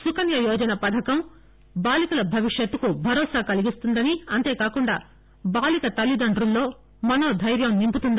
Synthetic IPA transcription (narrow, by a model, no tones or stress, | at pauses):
sukɐnjɐjɔːd͡ʒɐnɐpɐd̪ʰʱɐkɐm | baːlikulɐbʱɐʋiʂjɐt̪ːukubʱɐɾɔːsaːkɐliɡist̪und̪ɐniɐnt̪e̞ːkaːkuɳɖa̰ː | baːlikɐt̪ɐlːid̪ɐɳɖɾulːo̞ː | mɐno̞ːd̪ʱɐjɾjɐmnimput̪und̪